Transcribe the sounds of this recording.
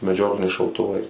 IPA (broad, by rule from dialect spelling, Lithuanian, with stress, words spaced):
mʲɛˈd͡ʒʲoːklʲɪnʲɛɪs ʃɐʊtʊˈʋɐɪs